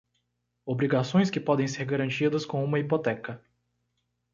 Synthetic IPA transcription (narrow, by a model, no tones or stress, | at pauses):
obɾiɡasõj̃skɪpɔd̪ẽj̃seɾɡaɾɐ̃nt͡ʃid̪ɐskõũmɐipot̪ɛkɐ